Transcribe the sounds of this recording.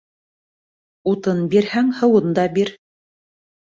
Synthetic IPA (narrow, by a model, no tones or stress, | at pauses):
ut̪ɤnbiɾhæŋhɤ̆wɤnd̪ɑbiɾ